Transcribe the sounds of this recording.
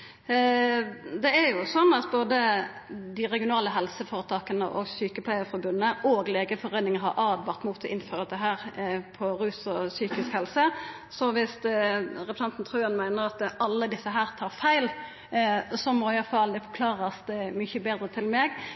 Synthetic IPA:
d̪ɛæjʊsɔnːɑt̪boːd̪ə | d̪ɪʁɛɡɪʊnɑːləɦɛlsəfɔːɾət̪ʰɑːkənə̰ʔɔ̰ɡsyːkəplæɪəfɔɾbʉnːəʔoɡleːɡəfɔɾeːnɪŋəɦɑɾʔɑːd̪ʋɑʁt̪muːt̪ʰɔʔɪnføːɾəd̪ɛɦæːɾpʰɔɾʉːsɔsyːkɪskhɛlsə | sɔʋɪst̪ʁɛpɾsɛnt̪n̩t̪ʰʁʉːɑnmæɪnəɾɑt̪ʔɑlːəd̪ɪsːəɦæːɾt̪ʰɑːɾfæɪl | sɔmɔɪɑfɑld̪ɛfɔɾkʰlɑːʁəsd̪ɛmʏçəbeːd̪ɾət̪ʰɪlmɛɡ

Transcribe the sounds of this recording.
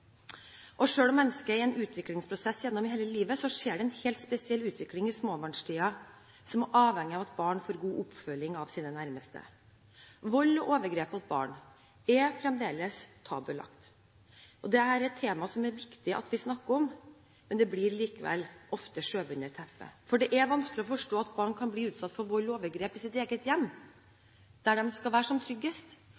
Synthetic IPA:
ʔɔʂøːlɔmːɛnːəskəɪɛnʔʉːt̪ʰʋɪklɪŋspʰɾʊsɛsːjɛnːɔmɪheːləliːʋəsɔʂeːɖɛɛnhɛːlt̪spɛsɪɛlːʉːt̪ʋɪklɪŋɪsmoːbɑːɳʂʈ̪ʰiːɑ | sɔmæʔɑːʋhɛŋːɪɑʋɑt̪bɑːɳfoːɾɡuːʔʊpfœlːɪŋɑʋsiːnənæɾməst̪ə̰ | ʋɔlːɔʔoːʋəɾɡɾeːpɑt̪̚bɑ̰ːɳ | ɛfɾɛmd̪eːləst̪ʰɑ̰ːbəlɑ̰kt̪ | ʔɔd̪ɛæɾɛt̪ʰːeːmɑsɔmæɾʋɪkt̪ɪʔɑ̰t̪ʋɪsnɑkːəɔm | mɛnd̪ɛblɪɾliːkəʋɛ̰lːʔɔft̪əʂøːʋʉnəɾt̪ʰɛfə̰fɔɖɛʔæʋɑnsklɪɔfɔʂʈoːɑt̪bɑːɳkʰɑnbliːʉːt̪sɑt̪ːfɔɾʋɔlːoːʋəɾɡɾeːpɪsɪt̪eːɡət̪jɛmː | d̪̥æɖɛmskɑʋæːʂɔmt̪ʰɾʏɡːəst̪

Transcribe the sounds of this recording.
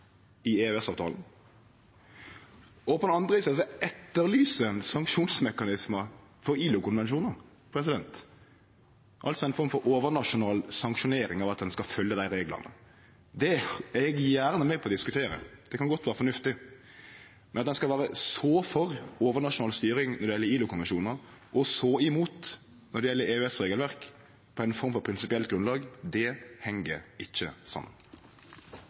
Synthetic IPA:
ɪeɛsɑːʋt̪ʰɑ̰ːln̩ | ɔpʰɔd̪ɛnɑnd̪ʁəʋiːsəs̬ɔɛt̪ːəɾlyːsənsɑŋkʃuːnsmɛkɑnɪsməfɔɾiːlʊkʊnʋɛnʃuːnəʁ | pʰɾɛsɪd̪ɛnt̪ | ʔɑ̰lt̪sɔæɪnfɔɾʁmfɔɾoːʋəʁnɑʂʊnɑːlsɑŋkʃʊneːɾɪŋɑʋɑt̪̚d̪ɛnskɑfœlːəd̪æɪɾeːɡlɑ̰nə̰ | d̪ɛɛɡjæːɾnəmɛpʰɔd̪ɪskʉt̪ʰeːɾə̰d̪̥ɛkɑnɡɔt̪ʋæːɾəfɔnʉft̪ɪ | mɛnɑt̪d̪ɛnskɑʋæːɾəsoːfɔʁoːʋəɾnɑʂʊnɑːlst̪yːɾɪŋnɔɾd̪ɛjɛlːəɾiːlʊkʰʊnʋɛnʃuːnəɾʔɔsoɪmuːt̪ | nɔɾɖ̪ɛjɛlːəɾeːʉɛsɾeːɡəlʋæɾk | pʰɔæɪnfɔɾmfɔɾpʰɾɪnsɪpɪɛlt̪̚ɡɾʉnlɑːɡd̪ɛhɛŋəɾɪçːəsɑ̰mːə̰n

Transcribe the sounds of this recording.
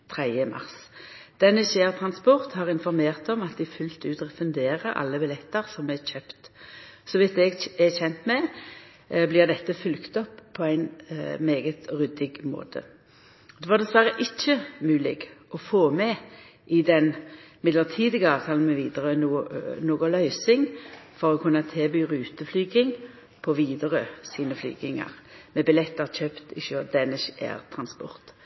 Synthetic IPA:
t̪ʰʁɛd̪jəmɑ̰ʁs | d̪̥ɛnːəʃeːʁt̪ʰʁɑnspɔʁt̪hɑʁɪnfɔʁmeːʁt̪ɔmɑt̪d̪ɪfʉlt̪ʉːt̪ɔfʉnd̪eːʁəʔɑ̰lːəbɛlɛt̪ːəʁsɔmɛçøːpt̪sɔʋɪt̪ɛɡɛçɛnt̪mɛ | blɪʁd̪ɛt̪ːəfʉlkt̪ɔpʰːɔæɪnmeːɡət̪ʁʉd̪ɪɡmo̰ːt̪ʰə̰ | d̪ɛʋɑːʁd̪ɛsʋæʁəʔɪt͡ʃːəmʉːlɪ̰ɡɔfoːmɛ | ʔɪd̪ɛnmɪd̪ləʁt̪ʰiːd̪ɪɡəɑːʋt̪ʰɑːlmɛʋiːd̪əʁənunoːɡɔlœʏsɪŋfɔʁɔkʰʉnːət̪ʰeːbyːʁʉːt̪əflyːɡɪŋ | pʰɔʋiːd̪əʁəsiːnəfly̰ːɡɪŋɑ̰ʁmɛbɪlɛt̪ːət͡ʃøːpt̪ɪʃød̪ɛnɪʃæ̰ːʁt̪ʰɾɑnspɔ̰ʁt̪

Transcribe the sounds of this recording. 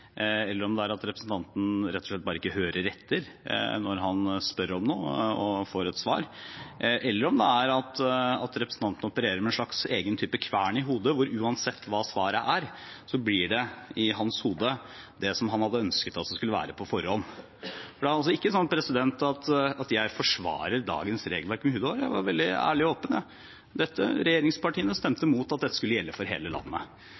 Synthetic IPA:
ɛlːəɾɔmd̪ɛæɾɑt̪ɾɛpɾsn̩t̪ʰɑnt̪n̩ɾɛt̪ːɔʂɭɛt̪̚bɑːɾəɪkːəhøːɾəɾɛt̪ʰːəɾnɔɾɦɑnspœɾəɾɔmnoːɔfoːɾɛt̪sʋɑ̰ːɾ | ʔɛlːəɾɔmd̪ɛæɾɑt̪ɑt̪ɾɛpɾəsn̩t̪ɑnt̪ənəɔpəɾeːɾəɾmɛnʂɭɑkseːɡənt̪ʰyːpəkʰʋæːɳɪɦuːd̪əʋʊɾʉːɑnsɛt̪ʰːʋɑːsʋɑːɾəʔæɾsɔblɪɖɛɪɦɑnshuːd̪əd̪ɛsɔmɦɑnhɑd̪ːəœnskət̪ɑt̪̚d̪ɛskʉlːəʋæ̰ːɾəpʰɔfɔɾhɔnː | fɔɖɛæɾɑls̬ɔɪkːəsɔnːpʰɾɛsɪd̪ɛnt̪ɑt̪ɑt̪jæɪfɔʂʋɑ̰ːɾəɾd̪ɑ̰ːɡənsɾḛːɡlʋæɾkmɛhʉːd̪ojæ̰ɪʋɑ̰ɾʋɛld̪ɪæ̰ːɭɪoːpənɑ | d̪ɛt̪ːə̰ɾɛjeːɾɪŋspɑʈʰiːənəst̪ɛmt̪əmuːt̪ɑt̪̚d̪ɛt̪ːə̥skʉlːəjɛlːəfɔɾɦḛːləlɑ̰nːə̰

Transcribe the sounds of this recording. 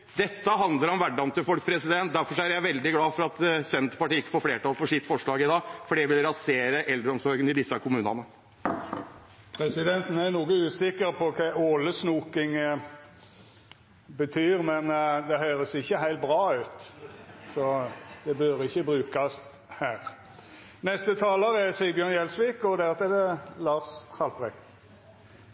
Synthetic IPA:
d̪̥ɛt̪ːəɦɑnd̪ləɾɔmʋæɖːɑnt̪ɪlfɔlk̚pʰɾɛsɪd̪ɛnt̪̚d̪æɾfɔʂɔæɾjæɪʋɛld̪ɪɡlɑːfɔɾɑt̪sɛnt̪pɑʈiːɪkːə̥foːɾfleːʈɑːlfɔʂɪt̪ːfɔʂɭɑːɡɪd̪ɑːfɔɖɛʋɪlɾɑseːɾəʔɛld̪ɾəɔmsɔɡənɪd̪ɪsːəkʰʊmʉːnɑ̰nə | pʰɾɛsɪd̪ɛnt̪n̩æɾnuːɡəʉːsɪkːəɾpʰɔkʰæɪoːləsnuːkɪŋ | bət̪ʰyːʁmɛnd̪ɛɦœʏʁəsɪçːəɦæɪlt̪̚bʁɑːʉːt̪ | sɔd̪̥ɛbøɾɪçːəbʁʉːkɑst̪ | hæːʁ | nɛst̪ət̪ʰɑːləʁɛsɪbjøːʁnjɛlsʋiːkɔd̪æʁt̪ʰɛd̪ɛlɑːshɑlpʁɛkt̪

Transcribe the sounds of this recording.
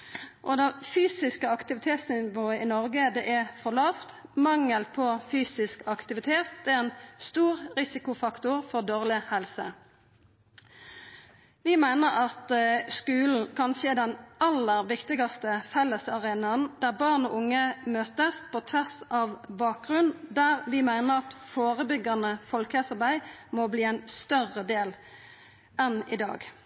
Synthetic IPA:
ʔɔd̪ɛfyːsɪskəɑkt̪ɪʋɪt̪ʰeːt̪snɪnʋoːəʔɪnɔʁɡəd̪ɛːʔæfɔʁlɑːft̪mɑŋːəlpʰɔfyːsɪskɑkt̪ɪʋɪt̪ʰeːt̪̚d̪ɛæːɛnst̪uːʁʁɪsɪkʊfɑkt̪ʊʁfɔʁd̪oːʁlɪhɛlsə | ʋɪmæɪnəʁɑt̪skʉːln̩kʰɑnʃeːd̪ɛnɑlːəʁʋɪkt̪ɪɡɑst̪əfɛlːəsɑʁeːnɑnd̪æːʁbɑːʁno̰ːʊŋːəmøːt̪əspʰot̪ʰɛsɑʋbɑːk̚ɡʁʉnd̪æːʁʋɪmæɪnəʁɑt̪foːʁəbʏɡɑnəfɔlkɛsɑʁbæɪmɔbliːæɪnst̪œʁəd̪eːl | ɛnɪd̪ɑ̰ːɡ

